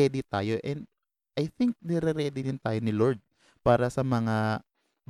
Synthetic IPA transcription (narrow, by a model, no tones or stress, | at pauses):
ɛːd̪ɪt̪aːjo̞ʔɛnd̪ | ʔɐjθɪŋk̚nɛɾɛɾɛːd̪ɪɾɪnt̪aːjonɪloɹd̪̚ | paːɾɐsɐmɐŋa | b